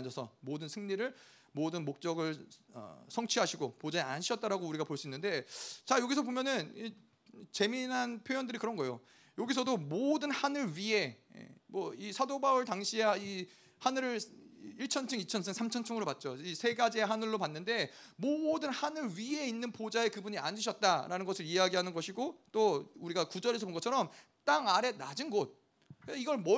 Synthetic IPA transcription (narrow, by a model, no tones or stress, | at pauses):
d͡ʑʌsʰʌ̰modɯnsʰɯŋɲiɾɯɭ | modɯnmok̚t͡ɕ͈ʌɡɯɭʌ̰sʰʌŋt͡ɕʰiɦaɕʰiɡopod͡ʑaea̰nɕʰiʌt̚t͈aɾaɡouɾiɡapoɭs͈uinːɯnde̞t͡ɕajoɡis̬ʰʌbomjʌnɯni | t͡ɕe̞minɦanpʰjojʌndɯɾikɯɾʌnɡʌejo̰ | joɡis̬ʰʌdomodɯnhanɯɭɥie̞ḛmwʌisʰadobaɯɭtaŋɕʰiai | hanɯɾɯɭiɭt͡ɕʰʌnt͡ɕʰɯŋit͡ɕʰʌnsʰeŋsʰamt͡ɕʰʌnt͡ɕʰʌŋɯɾopat̚t͡ɕ͈oisʰe̞ɡad͡ʑieɦanɯɭːopanːɯnde̞modɯnhanɯɭɥie̞inːɯnpod͡ʑae̞kɯbuɲia̰nd͡ʑuɕʰʌt̚t͈aɾanɯnɡʌsʰɯɾiaɡiɦanɯnɡʌɕʰiɡot͈ouɾiɡakud͡ʑʌɾe̞s̬ʰʌponɡʌt͡ɕʰʌɾʌm | t͈aŋaɾe̞nad͡ʑinɡʌt̚ | keiɡʌɭmʌ